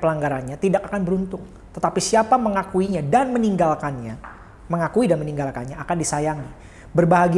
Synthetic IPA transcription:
pəlaŋɡaɾanɲat̪idakakanbəɾunt̪ʊŋ | t̪ət̪apisiapaməŋakuiɲadanməniŋɡalkanɲa | məŋakuidanməniŋɡalka̰nɲaːkandisajaŋi | bərbaɦaɡi

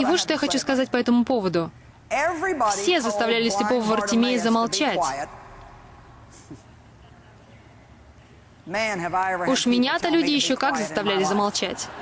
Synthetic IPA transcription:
ɪvotʂt̪o̞jaxɐt͡ɕuskɐzat̚ʲpɐɛt̪əmʊpo̞vəd̪ʊ | ɛvɹifsʲe̞zəst̪ɐvlʲælʲɪsʲlʲɪpo̞vəvɐrtʲɪmʲejɪzəmɐlˠt͡ɕætt | mæ̃nɨvaɪuʂmʲɪnʲat̪əlʲudʲɪjɪɕːokakzəst̪ɐvlʲælʲɪzəmalˠt͡ɕætʲ

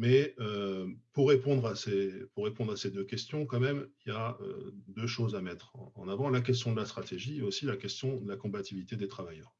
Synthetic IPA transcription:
mɛøpuʁːepɔ̃d̪ʁasepuʁːepɔ̃d̪ʁased̪økʲɛst̪jɔ̃kɑ̃mɛmiljaø̰d̪øʃozamɛt̪χɑ̰̃navɑ̃lak̬ʲɛst̪jɔ̃d̪əlast̪χat̪eʒieosilakʲɛst̪jɔ̃d̪əlakɔ̃bat̪ivilit̪ed̪et̪χavajœːʁ

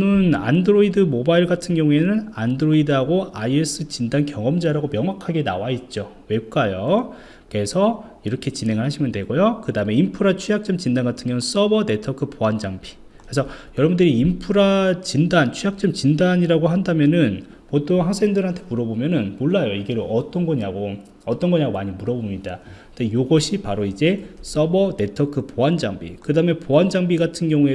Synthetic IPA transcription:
nɯna̰ndɯɾoidɯmobaiɭɡatʰɯnɡjʌŋue̞nɯnandɯɾoidɯɦaɡoaies͈ʰɯt͡ɕindankjʌŋʌmd͡ʑaɾaɡomjʌŋwakʰaɡe̞na̰wait̚t͡ɕ͈o | we̞p̚k͈ajo | ke̞sʰʌ | iɾʌkʰe̞t͡ɕinɦe̞ŋɯɭhaɕʰimjʌndwe̞ɡojokɯdame̞impʰuɾat͡ɕʰujak̚t͡ɕ͈ʌmt͡ɕindanɡatʰɯnŋɡjʌŋns͈ʌbʌne̞tʰʌkʰɯpoand͡ʑaŋpʰi̥ | kɯɾesʰʌjʌɾʌbundɯɾiːmpʰuɾat͡ɕindant͡ɕʰujak̚t͡ɕ͈ʌmt͡ɕindaɲiɾaɡoɦandamjʌnɯn | potʰoŋɦaŋsʰeŋdɯɾɦantʰe̞muɾʌbomjʌnɯnmoɭːajoiɡe̞ɾoʌt͈ʌnɡʌɲiaɡo | ʌt͈ʌnŋɡʌɲaɡomaɲimuɾʌbomɲidakɯndejoɡʌɕʰipaɾoid͡ʑe̞s͈ʌbʌne̞tʰʌkʰɯpoɦand͡ʑaŋbḭkɯdaːɯmepoand͡ʑaŋbiɡatʰɯnɡjʌŋue̞

